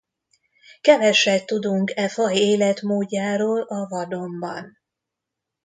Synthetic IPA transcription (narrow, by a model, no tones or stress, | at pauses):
kɛvɛʃɛtt̪ːud̪uŋkɛfɒjeːlɛt̪moːɟːaːɾoːlɒvɒd̪o̞mbɒ̰n